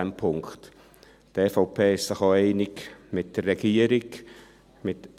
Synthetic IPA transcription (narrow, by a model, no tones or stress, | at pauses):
ɛmpʰʊŋkt | d̥ɛfoʊpʰeːɪssɪχɑeɪnɪkmɪt̚d̥ərːɛɡiːəɾɪk | mɪt